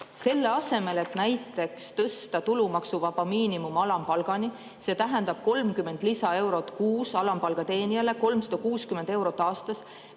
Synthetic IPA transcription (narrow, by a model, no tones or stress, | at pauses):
se̞lːe̞ɑse̞me̞le̞t̪næjt̪ːˑe̞kst̪ɤst̪ɑt̪ulumɑksuvɑbɑmiːnimumɑlɑmpɑlɡ̥ɑni | se̞ːt̪æɦe̞nd̪̥ɑb̥ko̞lmkymːe̞nd̪lisɑe̞wɾo̞t̪kuːsɑlɑmpɑlɡ̥ɑt̪e̞ːniɑle̞ko̞lmsɑ̥d̪̥ɑkuːskymend̪e̞wɾo̞t̪ːˑɑːst̪ɑs